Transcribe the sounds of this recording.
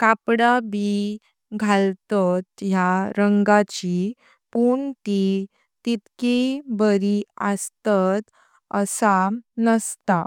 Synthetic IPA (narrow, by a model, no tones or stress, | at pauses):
kapɽabi | ɡʱalt̪ɔt̪jaɾəŋɡat͡ɕi | puːɳt̪i | t̪it̪kibəɾiəst̪at̪ | ə̰sanəst̪a